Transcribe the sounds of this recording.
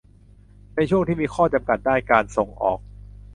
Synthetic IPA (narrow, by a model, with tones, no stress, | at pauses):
na˧jt͡ɕʰu˥˩əŋt̪ʰiː˥˩miː˧kʰɔː˥˩t͡ɕa˧mka˨˩t̪̚daː˥˩jkaː˧nso˨˩ŋʔɔ̰ː˨˩k̚